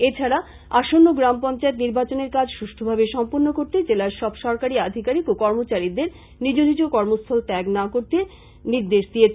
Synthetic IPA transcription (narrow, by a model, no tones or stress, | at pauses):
et͡ɕʰaɾa | aʃonːoɡɾampɔnt͡ɕaet̪niɾbat͡ɕoneɾkad͡ʑʃuʃʈʰobʱabeʃɔmpoɾnokoɾt̪ed͡ʑelaɾʃɔbʃɔɾkaɾiad̪ʱikaɾikokɔɾmot͡ɕaɾid̪eɾ | nid͡ʑod̪ʱid͡ʑokɔɾmost̪ʰalʈ̪ɛɡnakoɾt̪e | niɾd̪eʃd̪ije